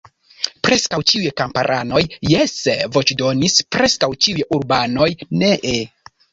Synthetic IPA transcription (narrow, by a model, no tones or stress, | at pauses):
pɾe̞skawt͡ʃiujkampaɾʔano̞jːesvo̞t͡ʃdo̞nispɾe̞skawt͡ʃiujuɾbano̞jneʔe